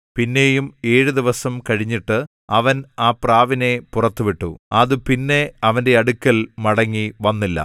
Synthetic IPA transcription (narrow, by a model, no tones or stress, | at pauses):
pinːe̞ːjume̞ːɻuðiʋɐsɐmkɐɻiɲːiʈːɨ | ɐʋɐnaːpraːʋine̞purɐt̪ːuʋiʈːṵɐðɨpinːe̞ɐʋɐnde̞ɐɽukʲːɐlmɐɽɐŋːiʋɐnːilːɐ̰